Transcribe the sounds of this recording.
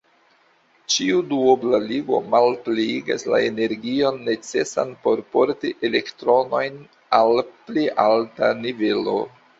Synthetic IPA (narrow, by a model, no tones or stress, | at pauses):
t͡ʃiuduoblaliɡo̞̰malpliiɡa̰sla̰ene̞ɾɡio̞nːe̞t͡se̞sa̰npo̞ɾpo̞ɾtiʔe̞le̞ktɾo̞no̞jn | alpliʔaltanive̞lo̰